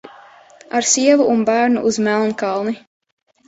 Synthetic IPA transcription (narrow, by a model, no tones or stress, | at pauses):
aɾsiɛvuːnbæːɾnuʔuzmælˠnkɑlˠni